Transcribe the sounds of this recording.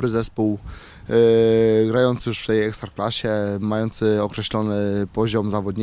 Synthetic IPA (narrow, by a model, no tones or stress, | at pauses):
ɾɘzɛspuw | ɡɾajɔnt̪sjuʂft̪ɛjɛkst̪ɾaklaɕɛmajɔnt̪sɘɔkɾɛɕlɔnɘpɔʑɔmzavɔd̪ɲ